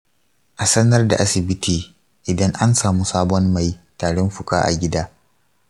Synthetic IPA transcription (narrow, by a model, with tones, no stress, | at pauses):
ʔa˨sɐ˦nɐ˦rda̰˨ʔa˦sɪ˨bɪ˦tʰiː˨ | ʔɪ˨dɐ˦ŋʔa˦nsaː˨muː˦saː˦bɔ˦mːa˨jtaː˨ɽɛ˦mɸʊ˨kʼa̰ː˦ʔa̰˨ɡʲɪ˦daː˦